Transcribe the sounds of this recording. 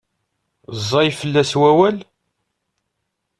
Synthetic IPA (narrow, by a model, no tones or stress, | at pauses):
zˤːɑjfəlːæswæwæl